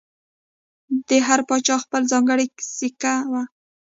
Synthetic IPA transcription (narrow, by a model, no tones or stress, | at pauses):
d̪əɦaɾpɑt͡ʃɑxpəlzɑŋɡəɽiksikawa